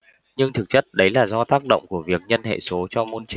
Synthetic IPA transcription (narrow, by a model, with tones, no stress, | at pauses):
ɲɨ˧ŋt̪ʰɨ˨˩k̚t͡ɕə˦˥t̚ɗə˨˦jlaː˨˩zɔ˧t̪aː˦˥k̚ɗə̰˧˨wŋ͡mku˧˩əvi˨˩ək̚ɲə˧nhḛ˧˨so˨˦t͡ɕɔ˧mo˧nt͡ɕi˨˦ŋ